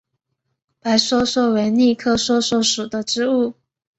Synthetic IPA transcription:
pa˧˥ɪswɔ˥swɔ˥˩we˧˥ɪni˥˧kʰɤ˥˧swɔ˥swɔ˥˩ʂu˨˩d̪ə˦ʈ͡ʂɻ̩˥u˥˩

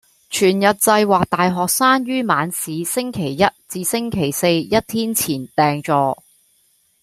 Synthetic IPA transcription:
t͡ʃʰyː˨˩njɐ˨t̚t͡sɐ˧jwaː˨k̚t̪aː˨jɦɔː˨k̚saː˥nɥyː˥maː˨˧nsiː˨˧sɪ˥ŋkʰe˨˩jːɐ˥t̚t͡siː˨˧sɪ˥ŋkʰe˨˩jse˧jjɐ˥t̚t̪ʰiː˥nt͡sʰiː˨˩nt̪ɛː˨ŋt͡sɔː˨˧

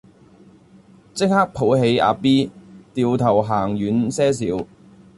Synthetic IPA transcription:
t͡sɪ˥k̚haː˥k̚pʰo˨˥wɦe˨˥ja̰ː˨˧piː˥t̪iː˨wt̪ʰɐ˨˩wɦaː˨˩ŋjyː˨˥nsɛː˥s̬iː˨˥w

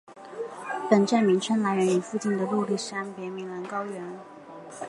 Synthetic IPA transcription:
pə˨˩nʈ͡ʂa˥˩nmi˧˥ŋʈ͡ʂʰə˥nla˧˥ɪɻə˧˥ny˨˩fu˥˧t͡ɕi˥˩nd̪ə˩lu˥˧li˥˩ʂɻ̩˥a˥npjɛ˧˥mi˧˥ŋlə˧˥nkɑ˥ʊɥɛ˧˥n

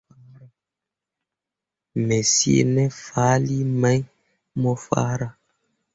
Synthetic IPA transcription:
mɛ˨si˦ḛ˦˨nɛ˦faː˨˦li˦ma˦ɲ | mɔ˦fa̰˦ɾa˦

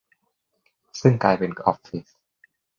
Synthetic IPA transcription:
sɯ˥˩ŋkaː˧jpe˧nkɔ̰˦˥pfi˦s

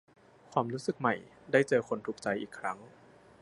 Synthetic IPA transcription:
kʰwaː˧mɾuː˦˥sɯ˨˩k̚ma˨˩j | daː˥˩jt͡ɕɤː˧kʰo˧nt̪ʰuː˨˩k̚t͡ɕa˧jʔiː˨˩kʰːɾa˦˥ŋ

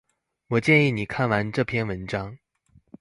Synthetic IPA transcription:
wɔ˨˩t͡ɕjɛ˥˧ni˥˩ni˨˩kʰa˥˩nwa˧˥nʈ͡ʂɤ˥˩pʰjɛ˥˧nwə˧˦˥nʈ͡ʂɑ˥ŋ

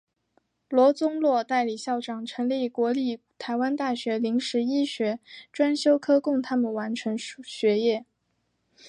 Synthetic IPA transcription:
lwɔ˧˥t͡sʊ˥ŋlwɔ˥˧t̪a˥˩ɪli˨˩ɕjɑ˥˩ʊʈ͡ʂɑ˨˩ŋʈ͡ʂʰɤ˧˥ŋli˥˩kwɔ˧˥li˥˩ | t̪ʰa˧˥ɪwa˥nt̪a˥˩ɕɥɛ˧˥li˧˥ŋʂɻ̩˧˥i˥ɕɥɛ˧˥ʈ͡ʂwa˥nɕjo˥ʊkʰɤ˥kʊ˥˩ŋt̪ʰa˥mə˨nwa˧˥nʈ͡ʂʰɤ˧˥ŋɕɥɛ˧˥jɛ˥˩

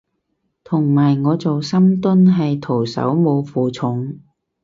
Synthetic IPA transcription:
t̪ʰʊ˨˩ŋmaː˨˩jŋɔː˨˧t͡so˨wsɐ˥mt̪ʊ˥nɦɐ˨jt̪ʰo˨˩wsɐ̰˨˥wmo˨˧wfuː˨t͡sʰʊ˨˧˥ŋ

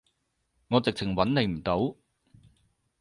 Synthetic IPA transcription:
ŋɔː˨˧t͡sɪ˨k̚t͡sʰɪ˨˩ŋwɐ˨˥nne˨˧jm̩˨˩t̪o˨˥w

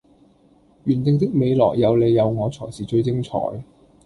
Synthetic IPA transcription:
ɥyː˨˩nt̪ɪ˨˧ŋt̪̬ɪ˥k̚me˨˧jlɔ̰ː˨˩jjɐ˨˧wle˨˧jɐ˨˧wŋɔː˨˧t͡sʰɔː˨˩jsiː˨t͡ʃɵ˧ɥt͡sɪ˥ŋt͡ʃʰɔ̰ː˨˩˥j

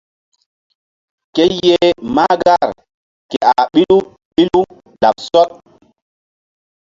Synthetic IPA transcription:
ke˦jje˦ma˦ɡa˦˨ɾ | ke˨a˨ɓi˦lu˦ | ɓi˦lu˦ | da˨ɓsɔ˦t̚

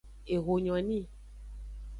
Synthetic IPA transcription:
e˨ɣo˨ɲɔ̃˨nĩ˦

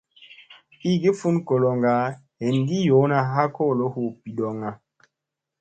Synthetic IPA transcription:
i˦ɡi˦fu˦nko˨lo˨ŋɡa˨˦ | he˨nɡi˦jo˨˦na˨ɦa˦ko˦˨lo˦hu˨pi˨ɗo˨ŋa˨

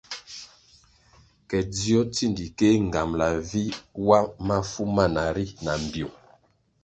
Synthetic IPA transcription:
kɛ˨di˦ɔ˦ti˦˨ndi˨ke˦ŋ̩˨ɡa˨mla˨vi˦wa˦ma˦fu˦ma˦˨na˨ɾi˦na˨m˨bjo˨

